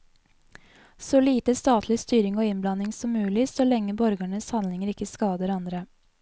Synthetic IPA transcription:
sɔliːt̪əst̪ɑːt̪ʰlɪst̪yːɾɪŋoːɪnblɑnɪŋsɔmːʉːlɪsɔlɛŋːəbɔɾɡəɳəshɑnlɪŋəɾɪkːəskɑːd̪əɾɑnd̪ɾə

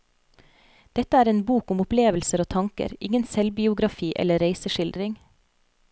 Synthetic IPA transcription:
d̪̥ɛt̪əæːɾeːnbuːkʊmʊpleːʋəl̩səɾoːt̪ʰɑŋkə̰ɾɪ̰ŋənsɛlbɪʊɡɾɑfiːʔɛ̰ləɾeɪsəʃɪld̪ɾɪŋ

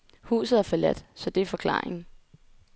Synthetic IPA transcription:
hṵːsð̩ˠæfɒlæd̥sɒ̽d̥e̝fɒ̽kʰlɑ̰̈ːeŋ̩

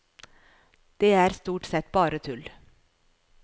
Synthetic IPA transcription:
d̪̥eːæːɾst̪uːʈsɛt̪bɑːɾət̪ʰʉl

